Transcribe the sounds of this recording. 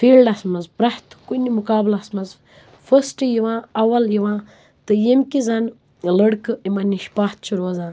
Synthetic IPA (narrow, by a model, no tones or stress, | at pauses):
fiːlɖɐsmɐzbɾɐht̪kunimukaːblɐsmɐz | fəsʈɨjiʋãːɐʋɐljiʋãː | t̪ɨjimkizɐn | ləɽkɨimɐniʃpaːt̪̚ʰt͡ʃʰuɾoːzãː